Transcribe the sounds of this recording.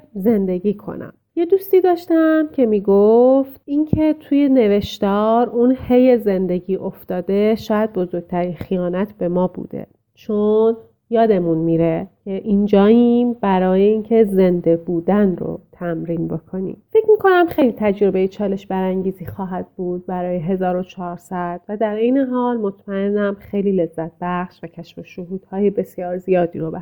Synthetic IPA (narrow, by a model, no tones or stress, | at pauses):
ze̞nd̪e̞ɡiːkʰo̞̰næ̰mje̞d̪ust̪iːd̪ɒːʃt̪æmcʰe̞miːɡoft̪incʰe̞t̪ʰuːje̞ne̞ve̞ʃt̪ɒːɾunhejeze̞nd̪e̞ɟiːʔo̞ft̪ɒːd̪e̞ʃɒːjæd̪̚bo̞zo̞ɾɡ̥̚t̪ʰæɾinxijɒːnæt̪ʰb̥e̞mɒːbṵːd̪̥ḛ | t͡ʃʰon | jɒːd̪e̞munmiɾecʰeʔind͡ʒɒːimbæɾɒːjeiːncʰe̞ze̞nd̪e̞buːd̪ænro̰t̪ʰæmɾiːnbo̞kʰo̞nḭːmfe̞cʰmiːkʰo̞næmxe̞jlit̪ʰæd͡ʒoɾobe̞jit͡ʃʰɒːle̞ʃbæɾæŋɟiːziːxɒːɦæd̪̥̚buːd̪̥̚bæɾɒːjeɦe̞zɒːɾot͡ʃʰɒːɾsæd̪̥væd̪æɾejneɦɒːlmo̞t̪ʰmæe̞nːæmxejliːle̞zːæt̪̚b̥æχʃvæcʰæʃfoʃoɦuːd̪̥hɒːjebe̞sijɒːɾzijɒːd̪iːɾobe